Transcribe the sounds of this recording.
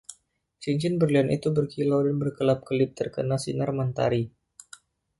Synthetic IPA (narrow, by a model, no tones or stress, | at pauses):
siɲt͡ʃɪnbərlianʔḭt̪ubərkilawdanbərkəlap̚kəlɪp̚t̪ərkənasḭnarmant̪a̰ɾi